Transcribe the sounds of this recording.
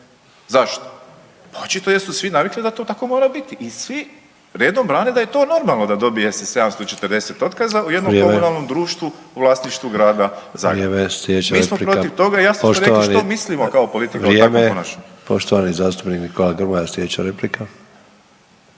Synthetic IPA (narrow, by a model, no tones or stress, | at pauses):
zaʃt̪o̥ | ot͡ʃit̪o̞jesusʋinaʋiklid̪at̪o̞ːt̪ako̞moːɾabit̪iʔisʋi | ɾe̞ːd̪o̞mbɾaːned̪ajet̪o̞ːno̞ɾmalˠno̞d̪ad̪o̞bijesɛse̞d̪amst̪o̞t͡ʃe̞t̪əɾd̪e̞se̞t̪o̞t̪kazauje̞d̪nokːo̞mmunalˠno̞md̪ɾuːʃt̪ʋu | uʋlˠaːsniʃt̪ʋuɡɾaːd̪aza̰ːɡɾemesled̪et͡ʃmiːesmopɾo̞iʋt̪o̞ɡaijasosɾeiʃnomislimo̞kaopo̞lit̪ikaɾiteamoenaʃpoʃt̪oʋanizaːst̪u̥pniknikolaɡrɾmajaslʲed̪et͡ɕaɾeplika